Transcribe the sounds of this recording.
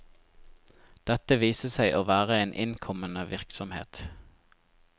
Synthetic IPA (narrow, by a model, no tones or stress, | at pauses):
d̪̥ɛt̪əʋiːsəsæɪʔoːʋæːʁəeːnʔɪnkʰɔmənəʋɪʁksɔmhḛːt̪